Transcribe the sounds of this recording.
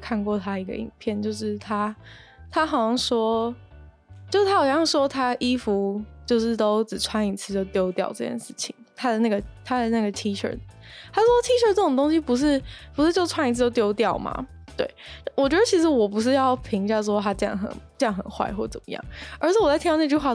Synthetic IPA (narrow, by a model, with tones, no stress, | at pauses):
kʰa˥˧nkwɔ˥˩t̪ʰa˥də˨i˧˥ɡə̰˧ḭ˨˩npʰjɛ˥˩nt͡ɕjo˥˧ʊʂɻ̩˥˩t̪ʰa˥t̪ʰa˥xɑ˨˩ʊɑ˥˩ŋʂwɔ˥ | t͡ɕjo˥˧ʂ̩˥˩t̪ʰa˥jjɑ˥˩ŋʂwɔ˥t̪ʰa˥ʔi˥fu˧˥t͡ɕjo˥˧ʊʂɻ̩˥˩t̪o˥ʊʈ͡ʂɻ̩˨˩t͡sʰwa˥ni˨˧˩t͡sʰɹ̩˥˧t͡ɕjo˥˧ʊt̪jo˥ʊt̪jɑ̰˥˧ʊʈ͡ʂɤ˥˧t͡ɕʰjɛ̰˥˩nʂɻ̩˥˩t͡ɕʰi˨˩˦ŋt̪ʰa˥d̪ə˨na˥˩ɡə˩t̪ʰa˥d̪ə˨na˥˩ɡə˩t̪ʰi˥ʈ͡ʂʰə̰˞˥˧˥ | t̪ʰa˥ʂ̩˥ʂwɔ˥t̪ʰi˥ʈ͡ʂʰə˥˩ʈ͡ʂɤ˥˩˨ŋt̪o˥ŋɕi˧pu˧˥ʂ̬ɻ̩˥˩pu˧˥ʂɻ̩˥˧t͡ɕjo˥˧ʊʈ͡ʂʰwa˥ni˧˥t͡s̩̪ʰ˥˧˩o˥ʊtjo˥ʊt̪jɑ˥˩ʊma̰˩ | t̪we˥˩ɪ˥wɔ˨˩t͡ɕɥɛ˧˥d̪ə˧t͡ɕʰi˧˥ʂ̬ɻ̩˧˥wɔ˨˩p̬u˧˥ʂ̬ɻ̩˥˧jɑ˥˩ʊpʰi˧˥ŋɕja˥˩ʈ͡ʂ̩˥wo˥˧˩t̪ʰa˥t͡ɕjɑ̰˥˩ŋxə̰˨˩˦nt͡ɕjɑ˥˩ŋxə̰˨˩nxwa̰˥˧ɪxwɔ˥˩t͡sə̰˨˩mə˦jɑ̰˥˩˦ŋə˞˧˥ɕʰjwɔ˨˩a˥˩tʰi˥˧n˥˧t͡ɕy˥˧˥xwa˥˧